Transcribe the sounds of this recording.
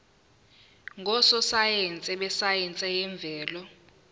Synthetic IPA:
ŋʱɔsɔsajɛnt͡sʼɛɓɛsajɛnt͡sʼɛjɛɱb̪vʱɛːlɔ

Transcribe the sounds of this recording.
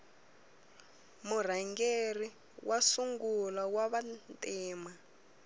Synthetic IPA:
mur̤aŋɡeri | wʔasuŋɡulawaβantʼiːma

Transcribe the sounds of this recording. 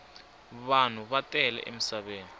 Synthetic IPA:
βan̤uβatʼɛlɛ̰ʔḛmisaβeːni

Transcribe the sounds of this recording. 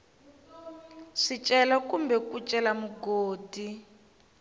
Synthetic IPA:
ʂit͡ʃʼɛlakumbɛkut͡ʃʼɛlamuɡoːdi

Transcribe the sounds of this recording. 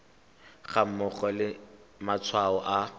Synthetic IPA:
ɣam̩mʊχɔlɪ | mat͡sʰwaɔʔa

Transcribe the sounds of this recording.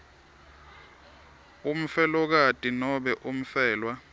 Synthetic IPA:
um̩fɛlɔk̬atʼinɔɓɛʔum̩fɛːlwa

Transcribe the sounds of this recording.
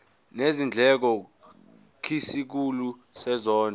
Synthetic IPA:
nezind͡ɮʱɛk̬ɔ | kʰisik̬ulusɛzɔːnʱɔ

